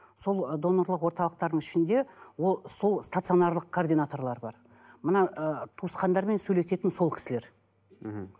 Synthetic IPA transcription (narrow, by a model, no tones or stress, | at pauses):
so̞lˠd̪o̞no̞ɾlˠəqwo̞ɾt̪ɑlˠəq̚t̪ɑɾd̪əɴɪʃɪnd̪e̞wo̞lˠso̞lˠst̪at̪sɨio̞nɑrlˠəq̚kʰoːrd̪ijnat̪o̞rlˠɑɾbɑɾ | mənɑʔət̪ʰusqɑnd̪ɑɾme̞nsɵjle̞se̞t̪ɪnso̞lˠkʲʰɪ̥sɪleɾ̩